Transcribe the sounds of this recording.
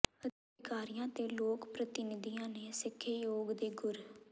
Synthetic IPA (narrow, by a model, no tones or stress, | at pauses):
əd̪ | kaːɾɪjãːt̪eːloːkpɾət̪ɪnɪd̪ijãːnẽːsɪkʰːeːjoːɡd̪eːɡʊɾ